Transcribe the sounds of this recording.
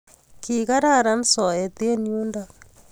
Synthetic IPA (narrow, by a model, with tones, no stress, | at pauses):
ki˨ka˦ɾa˦˨ɾa˦n˦sɔ˨e˨t̪e˦nju˦nda